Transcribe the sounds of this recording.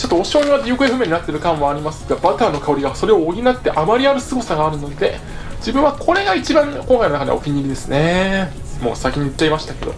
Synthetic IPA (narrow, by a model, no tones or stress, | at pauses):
t͡ɕo̞t̪ːooɕoːɲiβad̪ʲiɯ̟kɯ̟eɸɯ̟me̞ɲ̟inat̪ːe̞ɾɯ̟kãɰ̃aːɾʲimasɨ̥ɡ̥abat̪aːnːo̞kao̞ɾʲiɡaso̞ɾe̞oːɡʲinat̪ːe̞ʔamaɾʲiaɾɯ̟sɨɡo̞saɡaːɾɯ̟no̞d̪e̞ | d͡ʑibɯ̟̃ɰ̃βakʰo̞ɾe̞ɡait͡ɕibãŋkoŋkainnakad̪ḛo̰kʲiɲʲiɾʲid̪e̞sɨne̞ | mo̞̰ːsakʲiɲ̟iɯt͡ɕːaimaɕi̥t̪ake̞d̪o̞̰